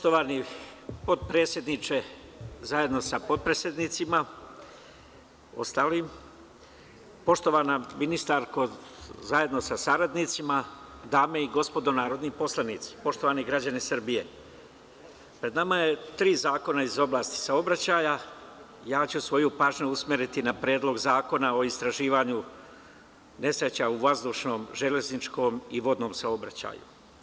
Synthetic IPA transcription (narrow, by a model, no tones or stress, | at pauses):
poʃt̪o̞ʋanipo̞d̪̚pɾeːt̪sjed̪nit͡ʃe̞zajed̪no̞sapo̞d̪̚pɾesjed̪nit̪sima | o̞̰st̪aːlim | po̞ʃt̪o̞ʋanaminist̪aɾko̞zaje̞d̪no̞sasaɾad̪nit̪simad̪aːme̞iɡo̞spo̞d̪o̞naːɾo̞d̪nipo̞slˠanit̪si̥po̞ʃt̪o̞ʋaːniɡɾad͡ʑanisrbije̞̰ | pɾe̞d̪namaje̞t̪ɾiːzaːko̞naizo̞blˠaːst̪i̥sao̞bɾat͡ɕaːja | jaːt͡ɕusʋo̞jupaːʒɲuusmeɾit̪inapɾeːd̪lˠo̞ɡzaːko̞nao̞ist̪ɾaʒiːʋaːɲu | ne̞sɾe̞t͡ɕauʋazd̪uːʃno̞ːmʒe̞le̞znit͡ʃko̞ːmiʋo̞d̪no̞ːmsaobɾa̰t͡ɕa̰ːjṵ